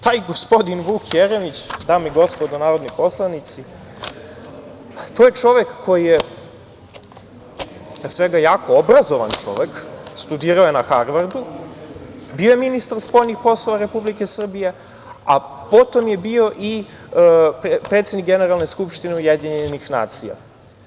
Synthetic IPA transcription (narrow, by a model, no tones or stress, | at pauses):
t̪aːjɡospo̞d̪inʋuːkʰjeɾemit͡ɕd̪aːmiɡo̞spo̞d̪onaːɾo̞d̪nipo̞slˠanit̪si | t̪oje̞t͡ʂo̞ʋekːʰo̞jije | pɾesʋe̞ɡajaːkʰoobɾazo̞ʋa̰nt͡ʂo̞̰ʋe̞kst̪ud̪iːɾaojenaxaɾʋaɾd̪u | bioje̞minist̪aɾspo̞jnixpo̞slˠo̞ʋaɾe̞publike̞sr̩bije̞ | apo̞t̪o̞mje̞bio̞ʔi | ppɾet̪sed̪nikɡene̞ɾalˠne̞skupʃt̪ineujed̪iɲeenixna̰ːt̪sija̰